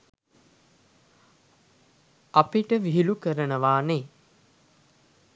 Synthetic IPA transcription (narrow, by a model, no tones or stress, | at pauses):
apiʈəʋiɦilukəɾənəʋaːne